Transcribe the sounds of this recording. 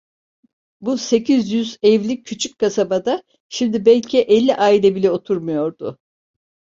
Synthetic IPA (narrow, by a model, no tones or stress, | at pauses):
buse̞cʰizjyzɛvlʲicʲʰːyt͡ʃʰyc̚ʲkʰasabad̪a | ʃimd̪ibɛlʲcʰiʔɛlʲːiʔaːilʲɛbilʲɛo̞t̪ʰuɾmujo̞ɾd̪ʊ̰